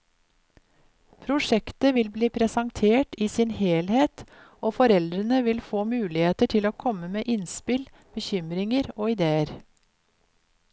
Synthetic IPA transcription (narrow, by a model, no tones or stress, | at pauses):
pʰɾʊʂɛkt̪əʋɪlbliːpʰɾɛsɑŋt̪ʰeːʈiːsɪnheːlheːt̪ | oːfɔɾɛld̪ɾənəʋɪlfoːmʉːlɪheːt̪əʈʰɪloːkʰɔməmeːʔɪnspɪl | b̥əçʏmɾɪŋəɾoːɪd̪eːəɾ